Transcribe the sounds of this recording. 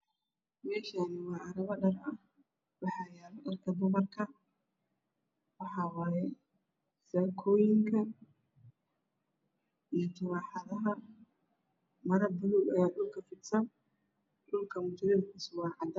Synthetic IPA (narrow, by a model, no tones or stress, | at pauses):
mɛːʃaːnɪwɑːɐɾɐβɐɗɐrɐh | wɑħɑːjaːβɐɗɐrkʰɐbʊɣɐrkʰɐ | wɑħɑːwɑːjɛ | sɐːkʰɔːjɪŋkʰɐ | ijɔt̪ʰʊwɑːħɑðɐɦɐ | mɐɾɐbʊluɡɐjaːɗʊlkʰɐfɪd̪sɐn | ɗʊlkʰɐmʊt͡ʃɪɾɛːdkʰʊsʊwaːħɑd̪ɐ